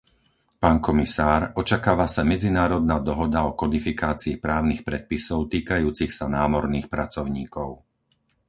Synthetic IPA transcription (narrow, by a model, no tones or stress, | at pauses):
paːnkɔmisaːɾɔt͡ʃakaːʋasamɛd͡zinaːɾɔd̪̚naːd̪ɔɦɔd̪aɔkɔd̪ifikaːt͡siːpɾaːʊnixpɾɛt̪̚pisɔʊt̪iːkajuːt͡sixsanaːmɔɾniːxpɾat͡sɔʊɲiːkɔʊ